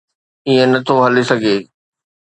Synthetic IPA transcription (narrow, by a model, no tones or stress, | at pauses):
iẽnɐt̪ʰoɦɐlesɐɡʱeː